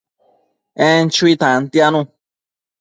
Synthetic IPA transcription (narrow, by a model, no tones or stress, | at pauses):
ɛ̃n̩t͡ʃuit̪ãn̩t̪ianũ